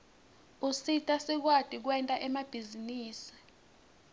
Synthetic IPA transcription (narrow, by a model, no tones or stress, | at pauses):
usitʼasik̬wad̥ʱʼik̬wɛntʼaʔɛmab̥ʱiziniːsi̥